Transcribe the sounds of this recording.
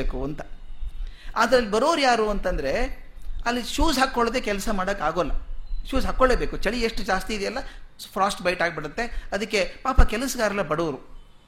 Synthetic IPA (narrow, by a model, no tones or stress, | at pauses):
eːkuɐnt̪ɐ | aːd̪ɐɾeɐlːibɐɾoːɾujaːɾuɐnt̪ɐnd̪ɐɾe̞ | ɐlːiʃuːzɦakːoɭd̪e̞ːkɛlɐsɐmaːɽɐkːaːɡoːlːɐʃuːzɦakːoɭeːbe̞ːkut͡ʃɐɭieʂʈud͡ʒaːst̪iːd̪ejɛlːɐpʰɾaːsʈbɐjʈaːɡ̚biɽut̪ːe̞ɐd̪ɐkːe̞paːpɐkɛlɐsɐɡaːɾɐlːɐbɐɽoːɾu